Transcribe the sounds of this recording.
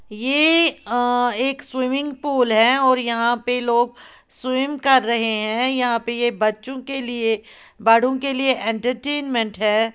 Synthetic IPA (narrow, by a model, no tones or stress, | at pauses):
je | eːkswɪmɪ̃ŋɡpuːlɦɛ̃ɔːɾjɐɦãpeloːɡ̚swɪmkɐɾːɐɦeɦɛ̃jɐɦãpejebɐtːʃõkeliebaːɽ̤õkelieʔẽːɳʈəɾʈeːnmɛ̃ɳʈɦɛː